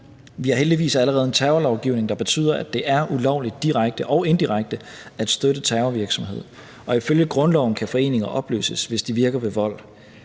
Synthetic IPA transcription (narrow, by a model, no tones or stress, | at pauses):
ʋiæɐɦeld̥iʋḭːsæləʁɛːð̩ˠent͡sʰɛʊɐlɒʊɡ̥iʊ̰ne̝ŋd̥ɑ̈b̥e̝t͡sʰy̰ːð̰ˠɐʔæd̥e̝ʔæɐʔulɒʊ̰lid̥ːiʁaɡ̥̚d̥əʔɒ̽ʊe̝nd̥iʁaɡ̥̚d̥ə | æd̥sd̥øɾ̥ət͡sʰɛːʊɐʋiɐɡ̥sɒ̽mɦe̝ð̞̰ˠ | ɒ̽iføljəɡ̥ʁɔ̽nlɒʊn̩kʰæfɒ̽e̝̰ːne̝ŋɐʔɒ̽b̥lø̰ːsəsʋe̝sd̥iʋiɐɡ̥ɐʋe̝ʋɒ̽l̰